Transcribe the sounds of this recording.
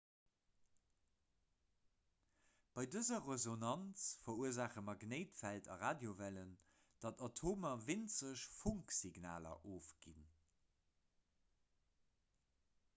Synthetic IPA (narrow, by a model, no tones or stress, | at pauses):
b̥ɑɪdəzɐʁəzonɑnt͡sfɐuəzaːχəmɐɡneɪtfæltɑ̰ʁaːdjovælən | d̥ɑtotʰoːmɐvint͡səɕfuŋksiɡna̰ːlɐ̰ʔoːfɡ̥ḭn